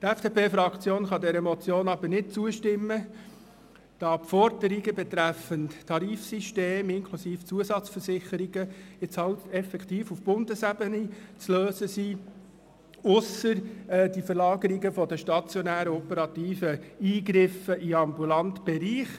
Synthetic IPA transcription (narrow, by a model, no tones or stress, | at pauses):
t̪ɛfd̥epeːfɾɑkt͡sjoːnχɑdɛɾəmɔt͡sjoːnɑbəɾnɪt̚t͡suəʃtɪmːə | d̥ɑpfɔɾdəɾiɡəbɛt̪ɾæfəntʰɑɾiːfsiʃteːmɪŋkʰlusiːft͡suəsɑt͡sfəɾsɪχəɾiɡəɪt͡shɑltɛfɛkχt̪iːfufb̥ʊndəsæbənit͡sløːsəsiː | ʊsəɾd̥ifəɾlɑːɡəɾiɡəfɔdəʃtɑt͡sjɔnæːɾəɔpəɾɑt̪iːfəiːɡɾɪfəʔiɑmbulɑnt̪b̥ɛɾiːχ